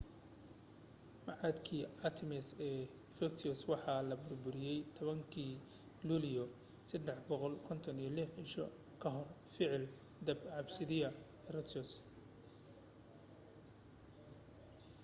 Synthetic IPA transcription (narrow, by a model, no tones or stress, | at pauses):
mɑʕɑd̪kʰiːɑt̪ʰɪmɪsɛː | fɛkt̪ʰɔswɑħɑːlɐbʊrbʊɾɪjɛjt̪ʰɔβɐŋkʰiː | luːlɪjɔ | sɐd̪ɛħbɔqɔlkʰɔnt̪ʰɔnijɞlɪħɪʃɔ̰ | kʰɐɦɔr | fɪʕɪl | d̪ɐbʕɑbsɪðɪɐ | rɔt̪ɔs